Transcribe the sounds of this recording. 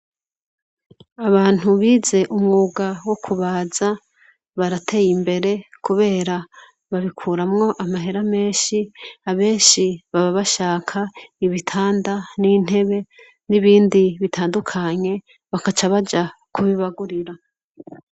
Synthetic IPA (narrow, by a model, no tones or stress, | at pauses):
aβaːn̥huβiːze̞ʔumŋuːɡawo̞kʰuβaːza | βaɾatʰe̞jimbe̞ɾe̞kuβe̞ːɾa | βaβikʰuːɾamŋo̞ʔamaɦe̞ɾame̞ːʃiaβe̞ːnʃiβaβaβaʃaːkʰaiβitʰaːndaniːn̥he̞βe̞ | niβiːndiβitʰaːndukʰaɲe̞ | βakat͡ʃaβad͡ʒakʰuβiβaɡuɾiɾa